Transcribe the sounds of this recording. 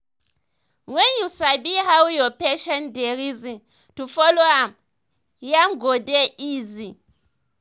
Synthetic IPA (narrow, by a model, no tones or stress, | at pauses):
wɛnjusabiɦawjɔpɛʃɛndɛɾizi | tufɔloam | jamɡɔdɛiːzi